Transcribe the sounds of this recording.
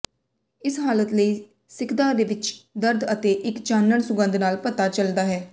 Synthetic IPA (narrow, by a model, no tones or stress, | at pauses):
ɪsɦaːlət̪ləiː | sɪkʰd̪aːd̪eːʋɪt͡ʃd̪əɾd̪ət̪eːʔɪkt͡ʃaːnːəɳsʊɡə̃nd̪naːlpət̪aːt͡ʃəld̪aːɦɛː